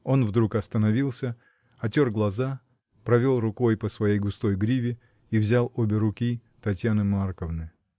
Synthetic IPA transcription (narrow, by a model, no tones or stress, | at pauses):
o̞nvd̪ɾukɐst̪ənɐvʲilˠsʲə | ɐtʲorɡlˠɐza | pɾɐvʲo̞lˠrʊko̞jpəsvɐjejɡʊst̪o̞jɡɾʲivʲɪ | ivzʲalˠobʲɪɾʊkʲi | t̪ɐtʲjanɨmarkəvnɨ